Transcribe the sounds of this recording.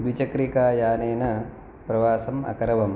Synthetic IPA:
d̪ʋit͡ʃɐkɾikaːjaːneːnɐ | pɾɐʋaːsɐmɐ̰kɐɾɐʋɐm

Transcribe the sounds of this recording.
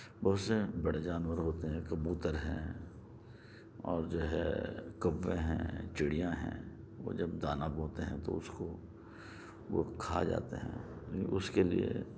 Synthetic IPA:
bɐɦʊt̪sebɐɽed͡ʒaːnwəɾɦoːt̪eɦɛ̃kɐbuːt̪əɾɦɛ̰̃ː | ɔːɾd͡ʒoːɦɛ̰kɐʋːẽɦɛ̰̃t͡ʃɪɽijãɦɛ̰̃ː | ʋo̰d͡ʒɐbd̪aːnaːbɦoːt̪eɦɛ̰̃t̪o̰ʊsko | ʋokʰaːd͡ʒa̰ːt̪eɦɛ̰̃ːiʊskelie

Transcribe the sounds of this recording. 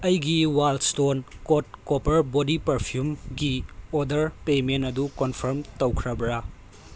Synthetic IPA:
ɐjɡiwalstonkot̚kopɐɾbodipɐɾpʰijumɡiodɐɾpementɐdukonpʰɐɾmtɐwkʰɾɐbɾa

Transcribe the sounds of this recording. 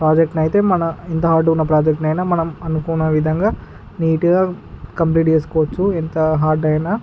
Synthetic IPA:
pɾaːd͡ʒek̚ʈɐjit̪e̞ːmɐnɐint̪ɐɦaːɾʈːunːɐpɾaːd͡ʒek̚ʈnɐjnaːmɐnɐmɐnukuːnɐʋid̪ʱɐŋɡaː | niːʈiɡaː | kɐmpliːʈt͡ʃeːs̬u̥kɔːʋɐt͡ʃːuent̪ɐɦaːɾɖɐjnaː

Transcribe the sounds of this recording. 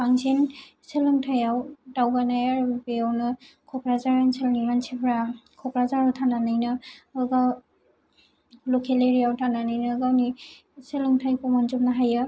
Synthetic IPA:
baŋsen | selɯŋtʰajawdawbanajaɹbeawnɯ | kʰɔkɹazaɹanselniɡansʰepʰɹakʰɔkɾazaɹɔtʰananɯjnɯɯɡaw | lɔkʰeleɹijawtʰananɯjnɯɡawni | selɯŋtʰajpʰɔmanzup̚naɦajɯ

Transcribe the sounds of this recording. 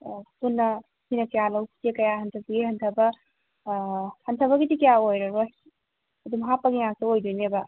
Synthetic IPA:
punːɐ | sinɐkɐjalɐwktekɐjaɦɐntʰɐbɐɡihɐntʰɐbɐ | hɐntʰɐbɐɡidikɐjaojɾɐɾos | ɐdumɦapːɐɡijaŋsuojdujnebɐ

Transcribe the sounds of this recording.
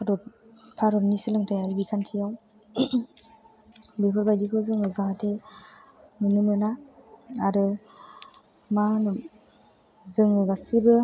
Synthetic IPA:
aɾɔtʰaɾɔnisɯlɯŋtʰajaɾibikʰantʰijaw | bepʰɯɾbajdikʰɯzɯŋɯzaɦatʰe | nɯnɯmɯna | aɾɯ | manɯ | zɯŋɯɡasibɯ

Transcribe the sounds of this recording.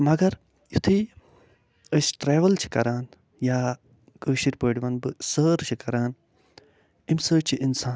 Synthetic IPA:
mɐɡɐɾ | jut̪ʰiː | əsʈɾeːʋɐlt͡ʃʰi̥kɐɾaːn | jaː | kəːʃiɾʲpəːɽʲiʋɐnbɨsəːɾt͡ʃʰikɐɾaːn | imsəːt͡ʃʰiʔinsaː

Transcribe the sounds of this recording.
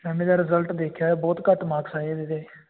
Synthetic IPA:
mɛːmeːd̪aːɾɪzəlʈd̪eːkʰjaːɛːbɔːt̪kəʈmaːksaːed̪ed̪eː

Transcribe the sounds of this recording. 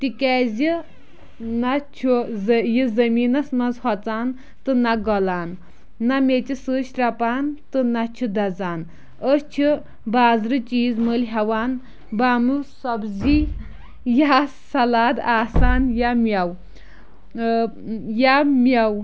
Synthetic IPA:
t̪ikɛzʲi | nɐt͡ʃʰuzjizɐmiːnɐsmɐnzhɔt͡saːn | t̪ɨnɐɡɔlaːnː | ɐmet͡ʃisɨːʃɾɐpaːnt̪ɨnɐt͡ʃʰud̪ɐd͡zaːn | əst͡ʃʰu | baːzɾɨt͡ʃiːzməlɦɐwaːn | baːmusɔbzi | ja | sɐlaːd̪aːsaːnjamʲjɐw | jamʲjɐw

